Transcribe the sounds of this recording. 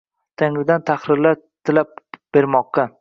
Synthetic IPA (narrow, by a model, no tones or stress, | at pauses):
t̪ʰaŋlɪd̪ant̪ʰaχɾɪɾla | t̪ʰɪlap̚b̥e̞ɾmɒqːɑ